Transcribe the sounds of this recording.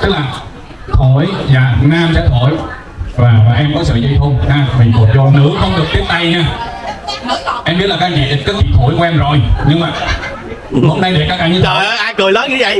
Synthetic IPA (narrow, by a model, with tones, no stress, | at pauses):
t̪ɨ˦˥k̚laː˨˩ | t̪ʰo˧˨˩jzaː˨˩naː˧mt͡ɕa˧˦t̪ʰo˧˩˦j | vaː˨˩vaː˨˩ʔɛ˧mkɔ˨˦sə̰ː˧˨zə˧jt̪ʰo˧mnaː˧˩mï˨˩ŋku˨˩t̚zɔ˧nɨ̰˧˥əxə˧wŋ͡mɗɨ˨˩ək̚t̪i˦˥əp̚ɗ̪a˧jɲaː˧ | ʔɛ˧mɓi˦˥la˨˩˧t͡ɕḭ˧˨ɗ̚kːə˦˥t͡ɕḭ˨˩t̪ʰo˧˩˦jka˧ʔɛ˧mzo˨˩jɲɨ˧ŋmaː˨˩ | mo˨˧˦ŋ͡mɗa˧jɗe˨˩kaː˦k̚ʔaː˧˨˦ɲɨ˧˨˦jkɨ˨˩əjlɔ˨˦ɲɨ˧˦və̰˧˨j